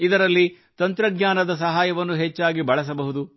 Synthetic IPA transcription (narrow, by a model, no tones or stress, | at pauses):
id̪ɐɾɐlːi | t̪ɐnt̪ɾɐɡɲaːnɐd̪ɐs̬ɐɦaːjɐʋɐnːuɦɛt͡ʃːaːɡibɐɭɐs̬ɐbɐɦud̪u